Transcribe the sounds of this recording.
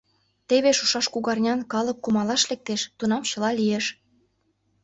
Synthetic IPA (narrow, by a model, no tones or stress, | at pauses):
t̪eβeʃuʃɑʃkuɣɑrnʲɑnkɑlɤkːumɑlɑʃlek̚t̪eʃt̪unɑmt͡ɕɤ̆lɑlijeʃ